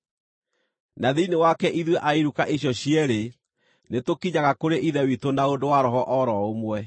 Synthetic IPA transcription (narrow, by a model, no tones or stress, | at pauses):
naðinewakɛʔiðweʔaiɾukaʔeɕjɔɕiɛɾe | netokiɲaɣakoɾeʔiðɛwitonaodowaɾɔɦɔʔɔɾɔomwɛ